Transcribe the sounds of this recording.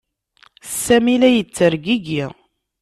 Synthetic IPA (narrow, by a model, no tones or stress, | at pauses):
sæmilæjət͡sːəɾɡiɡi